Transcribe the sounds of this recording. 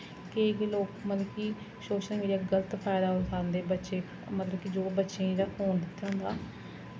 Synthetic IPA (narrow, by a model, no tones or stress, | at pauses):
kekloːkmələkiː | ʃoːt͡ʃənɡeːɾiaɡələt̪pʰɛːd̪aːʊsʰaːɾənd̪eːbətːʃeː | mət̪ləbkid͡ʒoːbətːʃẽːd̪aːhoːnd̪ɪt̪ʰːeʊ̃nd̪aː